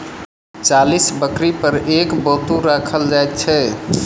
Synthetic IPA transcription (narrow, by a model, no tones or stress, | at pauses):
t͡ʃalisbəkɾipəɾekbot̪uɾakʰəld͡ʒajt̪̚t͡ʃʰɛ